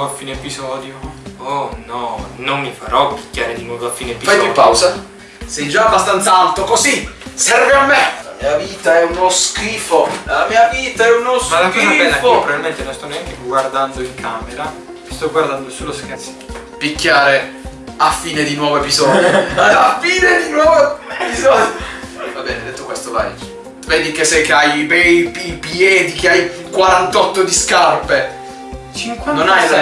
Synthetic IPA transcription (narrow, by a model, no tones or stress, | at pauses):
oafːiːneepizɔːd̪joonɔnomːifaɾʔɔpːikːaːɾed̪inwɔːvoafːiːnepifajapawsa | sɛjd͡ʒaːbːast̪ant̪saalt̪okosisɛrveamːela̰miːaviːt̪aɛunoskiːfolamiːaviːt̪aɛunosmalakɔsabɛnːaopːɾavilmɛnt̪enɔst̪ɔneaŋkeɡward̪and̪oiŋkʰameɾa | st̪ɔɡward̪and̪osuloskat̪si̥ | pikːjaːɾe | afːiːned̪inwɔːvoepizɔːd̪joafiːned̪inwɔːvoepizɔd̪jovabɛːned̪ɛt̪ːokwest̪ola̰ḭ | vɛd̪ikesɛjkeajibɛipjɛːd̪ikeajkwaɾant̪ɔt̪ːod̪iskarpe | t͡ʃiŋknonaj